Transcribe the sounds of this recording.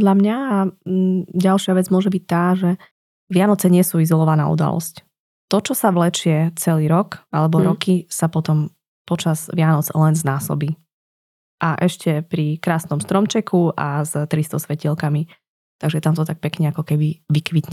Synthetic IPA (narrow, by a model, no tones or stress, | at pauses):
d̪ʎamɲaː | ɟalʃɪaʋɛd͡zmʊɔʒɛbic̚t̪aːʒɛ | ʋɪanɔt͡sɛɲɪɛsuːizɔlɔʋana̰ːṵd̪a̰lɔ̰sc | t̪ɔt͡ʃɔsaʋlɛt͡ʃɛt͡sɛliːɾɔkalɛbɔɾɔkisapɔt̪ɔm | pɔt͡ʃaz̥ʋɪanɔd͡zlɛnznaːsɔ̰biː | ʔaʔɛʃcɛpɾikɾaːsnɔmst̪ɾɔmt͡ʃɛkʰuʔa̰zt̪ɾist̪ɔsʋɛcilkami | t̪aɡʒɛt̪amt̪ɔt̪ak̚pɛkɲɛakɔkɛbiʋikʋit̪ɲɛ